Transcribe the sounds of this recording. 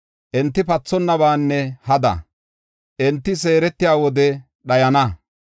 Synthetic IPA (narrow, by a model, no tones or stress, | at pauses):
ʔɛnt̪ːɪpɐt͡sːɔnːɐbaːnːɛhɐd̪ɐ̰ | ʔɛnt̪ːɪs̬e̞ːɾɛt̪ːɪjaːwɔd̪ɛ | ɗɐjɐnɐ